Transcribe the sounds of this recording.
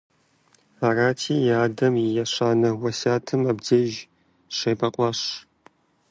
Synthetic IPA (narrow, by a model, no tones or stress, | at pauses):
aːraːtʰiːjaːdɐmijɛɕaːnɐwɐsaːtʰɨmɐbd͡zɐʒ | ɕejbɐqʷʼɑɕ